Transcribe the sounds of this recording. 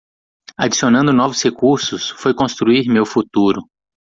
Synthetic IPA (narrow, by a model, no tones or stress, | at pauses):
ad͡ʒisionɐ̃nd̪ʊnɔvʊshekuɾsʊsfojkõst̪ɾuiɾmewfut̪uɾʊ